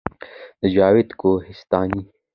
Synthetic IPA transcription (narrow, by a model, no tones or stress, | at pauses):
d͡ʒaːwɪd̪kohɪst̪aːni